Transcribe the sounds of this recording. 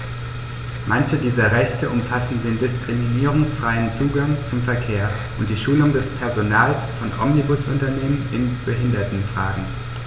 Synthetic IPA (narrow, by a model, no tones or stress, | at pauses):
mʔançədiːzɐʁɛçtəʔʊmfasn̩deːndɪskʁ̥iminiːʁʊŋsfʁ̥aɪənt͡suːɡaŋt͡sʊmfɛɐkʰeːɐ | ʔʊnt̚d̥iːʃuːlʊŋdɛspʰɛɐzonaːlsfɔnʔɔ̰mnibʊsʊ̰ntɐneːmənɪnb̥əɦɪndɐtn̩fʁ̥aːɡŋ̩